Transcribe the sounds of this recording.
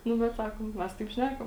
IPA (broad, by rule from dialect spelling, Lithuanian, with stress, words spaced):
ˈnʊ bʲɛt ˈsɑːkoːm ˈmʲɛs tɐɪp ˈʃʲnʲækɐm